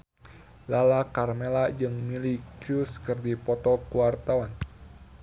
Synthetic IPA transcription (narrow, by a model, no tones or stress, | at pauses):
lalakarmelad͡ʒɨŋmilikuskɨrdipɔt̪ɔkuwart̪awan